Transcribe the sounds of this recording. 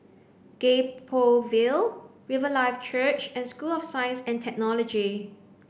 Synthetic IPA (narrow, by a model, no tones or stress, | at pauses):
ɡ̥epʰovilɹivəlaɪft͡ʃʰət͡ʃɛ̃nskulɔfsãjə̃nsɛ̃ntʰɛk̚nɔlɔd͡ʒi